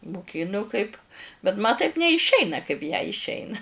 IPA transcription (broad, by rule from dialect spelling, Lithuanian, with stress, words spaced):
mʊˈkʲɪnʊ kɐɪp bʲɛt mɐ tɐɪp nʲɛɪʃʲˈɛɪnɐ kɐɪp jɛɪ ɪʃʲˈɛɪnɐ